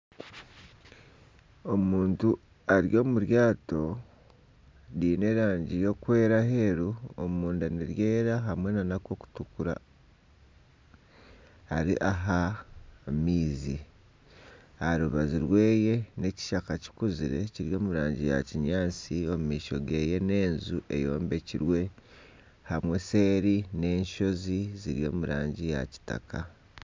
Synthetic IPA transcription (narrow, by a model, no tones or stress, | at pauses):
o̞muːntu | aɾjo̞ːmuɾjaːto̞ | ɾiːne̞ɾaːɲɟijo̞kwe̞ːɾaɦe̞ɾuo̰muːndaniɾje̞ːɾaɦamwenanakwo̞ku̥tukuɾa̰ | haɾḭʔaɦa | miːzi | aɾuβaziɾwe̞ːje̞ne̞ci̥ʃakaci̥kuziɾe̞̰ciɾjo̞ːmuɾaːɲɟija̰ciɲaːt͡sio̞mumiːʃo̞̰ɡe̞ːje̞ne̞ːnzuʔe̞̰jo̞̰ːmbe̞ciɾwe̞ | hamwe̞se̞ːɾine̞ːɲʃo̞ziziɾjo̞ːmuɾaːɲɟija̰ci̥ta̰ka